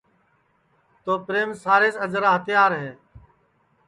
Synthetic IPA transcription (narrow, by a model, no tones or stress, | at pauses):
t̪oːpɾeːmsaːɾeːsəd͡ʒəɾaːɦət̪jaːɾɦɛː